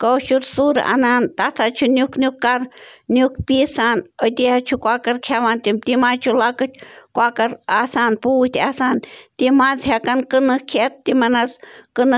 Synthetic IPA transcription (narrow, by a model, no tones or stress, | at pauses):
kot͡ʃuɾsuɾa̰ʔa̰nant̪at̪ʰat͡ʃʰunʲjuknʲukːaɾnjukpisanojt̪ihat͡ʃʰukʷakaɾkʰjaβant̪imt̪imat͡ʃʰulakat͡ʃkʷakaɾasanpuht̪iasant̪imat͡shjakankɨnɨkʰet̪̚ːimanazkɨnɨ